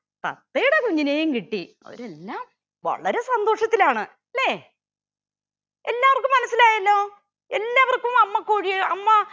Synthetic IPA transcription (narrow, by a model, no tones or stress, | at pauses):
t̪ɐ̰t̪ːejuɽe̞kuɲːineːjumkiʈːiɐ̰ɾe̞lːaːm | ʋɐ̰ɭɐɾe̞sɐnd̪o̞ːʂɐt̪ːilaːɳɨ | leː | elːaːʋɐrkumːɐnɐsːilaːjɐlːo̞ː | elːaːʋɐrkumɐmːɐkːuːɻiɐmːɐ